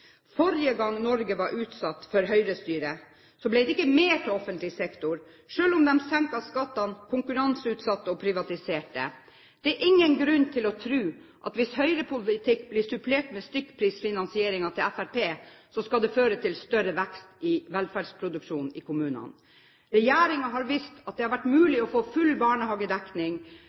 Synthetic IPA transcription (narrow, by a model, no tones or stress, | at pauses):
fɔɾɪəɡɑŋːnɔɾɡəʋɑɾʔʉːt̪sɑt̪ːfɔɾɦœʏɾəst̪yːɾə | sɔblɛɪd̪ɛɪkːəmeːʈ̪ʰɪlɔfənt̪lɪsɛkt̪ʊɾ | ʂøːlʊmd̪ɛmsɛŋkɑskɑt̪ːɑnkʰʊŋkʉɾɑnsʉːt̪sɑt̪ːəɔpʰɾɪʋɑt̪ɪseːʈə̰ | d̪̥ɛæɾʔɪŋːənɡɾʉnːt̪ʰɪlɔt̪ʰɾʉːʔɑ̰t̪ʋɪshœʏɾəpʰʊlɪt̪ʰɪkːblɪsʉpʰleːʈmɛst̪ʏkːpʰɾiːsfɪnɑnsɪeːɾɪŋɑt̪ʰɪlæfæɾpʰeː | sɔskɑld̪ɛføːɾət̪ʰɪlst̪œɾəʋɛkst̪ɪʋɛlfæɖspʰɾʊd̪ʉkʂuːnɪkʰʊmʉːnə̰n | ɾɛjæːɾɪŋɑɦɑɾʋɪst̪ɑt̪̚d̪ɛhɑɾʋæʈːmʉːlɪɔfoːfʉlbɑːɳəhɑːɡəd̪ɛknɪŋ